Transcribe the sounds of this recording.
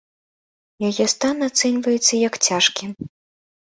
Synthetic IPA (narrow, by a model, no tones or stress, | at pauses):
jajɛst̪anat̪sɛnʲvɐjɛt̪sːɐjɐkt͡sʲaʂkʲi